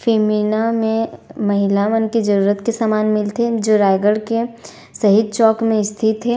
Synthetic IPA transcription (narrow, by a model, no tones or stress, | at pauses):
feːminamẽmɐɦɪlamənkid͡ʒɐɾuːɾət̪kesaːmaːnmɪlt̪ed͡ʒoɾaːɪɡəɽke | sɐɦɪd̪̚t͡ʃɔːkmẽɪst̪ʰɪt̪ɦɛ